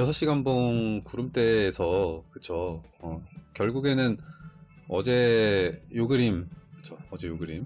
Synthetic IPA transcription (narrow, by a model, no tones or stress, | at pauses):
jʌsʰʌɕ͈iɡanbonkuɾɯmt͈e̞ːsʰʌkɯt͡ɕʰo | ʌkjʌɭɡuɡe̞nɯn | ʌ̰d͡ʑe̞ | joɡɯɾimkɯ̥t͡ɕʰoʌd͡ʑe̞joɡɯɾim